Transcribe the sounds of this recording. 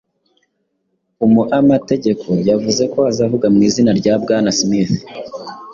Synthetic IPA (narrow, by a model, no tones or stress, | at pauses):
umuʔamate̞ɟe̞kʰo̞javuze̞ko̞azavuɡamŋiːzinaɾɟaːbɡaːnasmiθ